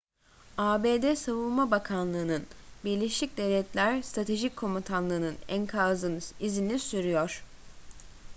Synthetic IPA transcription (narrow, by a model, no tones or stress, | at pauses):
aːbeːd̪ɛsavulˠmabakʰanlˠɯːnɯnbiɾlʲeʃlʲic̚d̪e̞vlʲɛt̪lʲæɾst̪ɾat̪ʰe̞ʒicʰːo̞mut̪ʰanlˠɯːnɯnænkʰazɯnizinisyɾyjoɾ̥